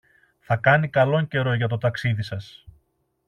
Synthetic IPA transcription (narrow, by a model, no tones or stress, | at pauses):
θɐkɐnikɐlo̞ɲce̞ɾo̞ʝɐt̪o̞t̪ɐksiðisɐs